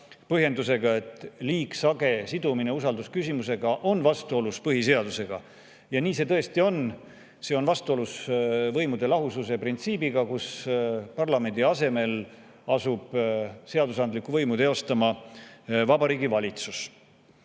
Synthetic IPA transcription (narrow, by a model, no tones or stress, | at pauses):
pɤɦje̞nd̪use̞ɡ̥ɑe̞t̪ːˑliːksɑɡe̞sid̪umine̞usɑld̪uskysimuse̞ɡ̥ɑʔo̞nvɑst̪uo̞luspɤɦis̬e̞ɑd̪use̞ɡ̥ɑ̰ | jɑniːse̞t̪ɤ̞est̪io̞n | se̞ːo̞nvɑst̪uo̞lusvɤjmud̪e̞lɑɦususe̞print̪siːbiɡ̥ɑkuspɑrlɑme̞nd̪̥iɑse̞me̞l | ɑsub̥se̞ɑd̪usɑnd̪likːˑuvɤjmut̪eo̞st̪ɑmɑ | vɑbɑɾiːɡivɑlʲit̪sus